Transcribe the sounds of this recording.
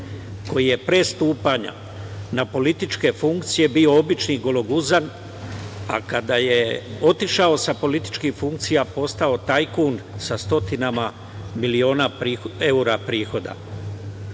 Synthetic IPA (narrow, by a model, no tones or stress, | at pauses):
ko̞jije̞pɾe̞ːst̪uːpaɲa̰ | napo̞lit̪it͡ʃke̞fuŋkt̪sije̞bio̞obit͡ʃniɡo̞lo̞ɡuzan | a̰kad̪aje̞o̞t̪iʃao̞sapo̞lit̪i̥t͡ʃkixfuŋk̚t̪sijapo̞st̪ao̞t̪ajkunsast̪o̞t̪inama | milio̞ːnaɾie̞uɾapɾiːxo̞d̪a̰